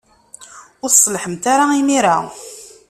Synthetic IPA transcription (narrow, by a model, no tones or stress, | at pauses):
ʊɾsˤːlħəmt̪aɾaimiɾa